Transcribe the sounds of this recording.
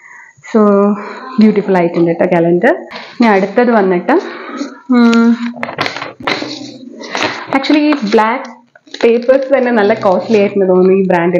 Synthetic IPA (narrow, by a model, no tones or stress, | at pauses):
soːbjuːʈifulɐjtːuɳɖiʈːokːelɐndɨɲaːnɐɽut̪ːɐðɨʋɐnːiʈːɨ | ak̚t͡ʃuɐliiːblaːk | pe̞ːpːɐrst̪ɐnːe̞nɐlːɐkoːsilijaːjʈːunːɐt̪oːnːuiːbɾaːɳɖi